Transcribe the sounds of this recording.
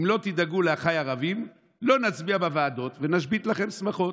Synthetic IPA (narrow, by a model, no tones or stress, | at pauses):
imlo̞t̪id̪aɡuleaχajaʁavim | lo̞nat͡sbiabavaːd̪o̞t̪venaʃbit̪laχe̞msmaχo̞